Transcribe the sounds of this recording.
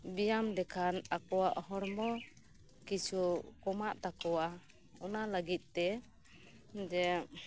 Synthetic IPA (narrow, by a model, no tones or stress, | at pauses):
bijamdɛkʰanakɔwaʔhɔɾmɔ | kit͡ʃʰukɔmaʔt̪akɔwa | ɔnaləɡit̪̚ˀt̪ɛ | d͡ʒɛ